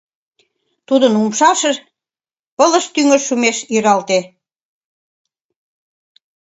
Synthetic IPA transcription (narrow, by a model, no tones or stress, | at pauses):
t̪ud̪ənumʃɑʃe | pələ̆ʃt̪yŋə̆ʃumeʃiɾɑlt̪e